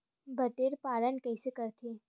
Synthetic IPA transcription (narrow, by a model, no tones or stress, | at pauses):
bʱəʈeːɾpaːlənkɛːsekɐɾt̪ʰeː